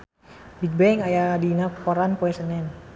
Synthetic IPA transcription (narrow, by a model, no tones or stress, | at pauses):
bik̚bɛŋajadinakɔɾanpoɛsənɛn